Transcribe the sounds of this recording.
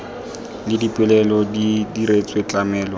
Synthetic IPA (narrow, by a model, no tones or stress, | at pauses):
lɪdipʼɪlɛlɔdidiɾet͡sʼwet͡ɬʼamɛːlwa